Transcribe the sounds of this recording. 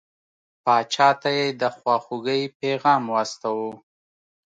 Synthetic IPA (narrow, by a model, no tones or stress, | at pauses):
pɑt͡ʃɑt̪ajed̪əxwɑxuɡəjpeɣɑːmwast̪awu